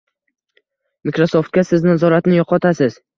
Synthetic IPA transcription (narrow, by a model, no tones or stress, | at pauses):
mɪkɾoso̞ft̪̚kʲasɪznazɒɾat̪nɪjɒqʰɒt̪ʰasɪz̥